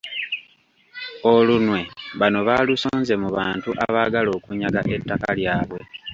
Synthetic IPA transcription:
o̞lunwe̞βano̞βalusoːnze̞muβaːntuʔaβaːɡalo̞ːkuɲaɡa̰ʔe̞tːakaljaːβwe̞

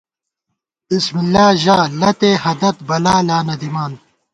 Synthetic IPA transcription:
b̥ismilːaːʑaːlɐt̪eːhɐd̪ɐt̪̚bɐlaːlaːnɐd̪imaːn

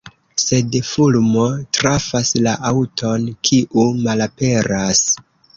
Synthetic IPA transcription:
se̞dfulmo̞tɾafaslaʔawtʰo̞nkʰiʔumalape̞ɾas

